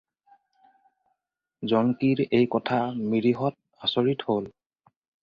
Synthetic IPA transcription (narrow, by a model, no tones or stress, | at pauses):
zɔŋkiɹejkɔtʰamiɹiɦɔt̚ | asoɹithol